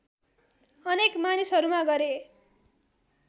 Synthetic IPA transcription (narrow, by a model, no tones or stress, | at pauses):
ʌnekmanisɦʌɾumaɡʌɾe